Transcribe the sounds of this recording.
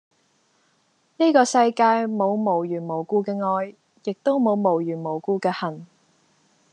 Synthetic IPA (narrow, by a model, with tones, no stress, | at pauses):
niː˥kɔː˧sɐ˧jkaː˧jmo˨˧wmo˨˩wjyː˨˩nmo˨˩wkuː˧kɛː˧ŋɔː˧j | jɪ˨k̚t̪o˥wmo˨˧wmo˨˩wjyː˨˩nmo˨˩wkuː˧kɛː˧hɐ˨˩n